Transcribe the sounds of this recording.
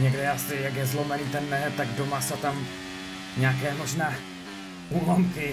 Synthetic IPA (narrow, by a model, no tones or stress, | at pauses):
ɲɛɡdɛasɪjakjɛzlo̞mɛniːt̪ɛnːɛɦɛt̪aɡdomasot̪am | ɲaːkɛːmo̞ʒnaː | uːlomkɪ